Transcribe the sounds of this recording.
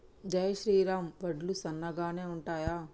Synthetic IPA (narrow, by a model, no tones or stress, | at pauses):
d͡ʒɐjɐʃɾiːɾaːmʋɐɖlusɐnːɐɡaːne̞ːuɳʈaːjaː